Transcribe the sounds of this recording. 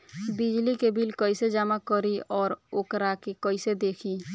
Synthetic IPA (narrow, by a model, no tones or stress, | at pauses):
bɪd͡ʒlikebilkəised͡ʒaːmakəɾiɔːɾokɾakekəised̪eːkʰiː